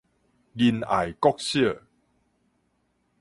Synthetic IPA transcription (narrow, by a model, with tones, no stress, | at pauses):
ɡi˧na̰˨˩jkɔ˦k̚ɕi˦˥ə˨